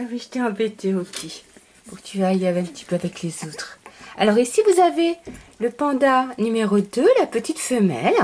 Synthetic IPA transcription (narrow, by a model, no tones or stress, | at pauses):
awiʒə̥t̪eɑ̃bet̪ʰeokʲʰi | puʁkə̥t̪yaːleavɛ̃pət̪i̥pøavɛklezot̪χalɔʁisivuzaveləpɑ̃d̪anymeʁod̪ølapət̪it̪fəmɛ̰l